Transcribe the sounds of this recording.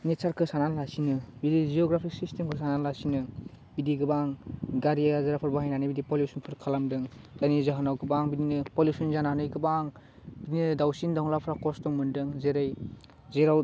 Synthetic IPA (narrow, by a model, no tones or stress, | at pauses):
nesaɾkʰɯsananlasinɯbidizioɡɾapʰik̚sistemkʰɯs̬ananlasinɯ | bidiɡɯbaŋɡaɾiazaɾapʰɯɾbaɦajnanɯbidipoljusunpʰɯɾkʰalamdɯŋtanizaɦanawɡɯbaŋbidinɯpolusunzananɯjɡɯbaŋ | bidinɯdawsindaɔŋlapʰɾakɔstɔŋmɯndɯŋzeɾaj | zeɾaw